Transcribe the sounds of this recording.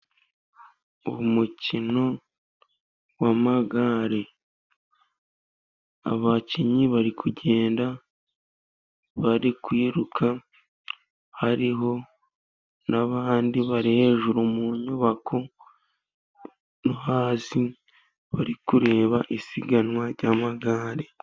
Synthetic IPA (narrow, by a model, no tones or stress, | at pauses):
uβumucino̞ | wamaɡaɾe | a̰βaciɲiβaɾikʰuɟe̞ːnda | βaɾikwiːɾukʰa | haɾiɦo̞ | naβaːndiβaɾihe̞ːʒuɾumuɲuβakʰo | nuhaːsi | βaɾikuɾe̞ːβaʔisiɡanwaɾɟamaɡaːɾe